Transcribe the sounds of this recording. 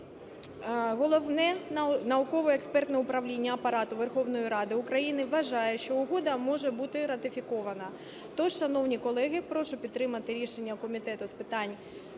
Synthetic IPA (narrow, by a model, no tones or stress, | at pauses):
ɦɔlˠɔʋnɛnɐʊkɔʋɔekspɛrt̪nɛʊpɾɐʋlʲinʲːɐːpɐɾɑt̪ʊʋerxɔwnɔjiɾɑd̪ɪʊkɾɐjinɪʋːɐʒɑjɛʃt͡ʃɔʊɦɔd̪ɐmɔʒɛbut̪ɪɾɐt̪ɪfʲikɔʋɐnɐ | t̪ɔʃʃɐnɔwnʲikɔlˠɛɣɪpɾɔʃʊpʲid̪t̪ːɾɪmɐt̪ɪɾʲiʃenʲːɐkɔmʲit̪ɛt̪ʊspɪt̪ɑnʲ